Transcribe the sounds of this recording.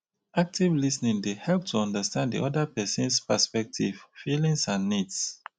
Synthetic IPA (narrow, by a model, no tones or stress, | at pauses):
ak̚tʰivlisnĩŋdehɛlˠp̚tʰuɔ̃ndəstãndḭʔɔdəpɛsə̃nspəspɛk̚tʰḭvfilĩŋsãnːids